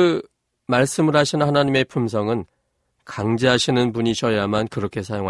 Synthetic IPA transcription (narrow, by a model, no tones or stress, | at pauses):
ɯ | maɭs͈ɯmɯɾɦaɕʰinhanaɲime̞pʰums̬ʰʌŋɯn | kaŋd͡ʑeɦaɕʰinɯnpuɲiɕʰʌjamankɯɾʌkʰe̞sʰajoŋɦa